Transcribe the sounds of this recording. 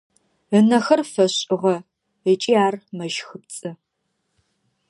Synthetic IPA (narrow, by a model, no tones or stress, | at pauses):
ənɐxɐrfɐɕʼɪʁɐ | ət͡ʃʼiːaːrmɐʒxɨp̚t͡sʼɨ